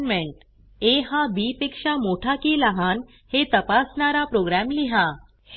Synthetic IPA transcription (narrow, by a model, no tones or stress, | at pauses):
meɳʈ | eɦãbipikʂamoʈʰakiːləɦan | het̪əpasɳaɾapɾoɡɾæmliɦa